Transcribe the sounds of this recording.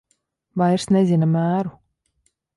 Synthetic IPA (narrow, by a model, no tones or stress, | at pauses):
vajɾsnezinamæːɾu